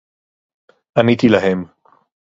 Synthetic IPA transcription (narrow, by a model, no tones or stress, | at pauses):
ʔanit̪ilaɦem